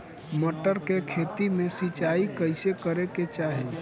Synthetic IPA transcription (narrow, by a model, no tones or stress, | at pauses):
məʈəɾkekʰet̪imesit͡ʃaikəɪsekəɾeket͡ʃaɦe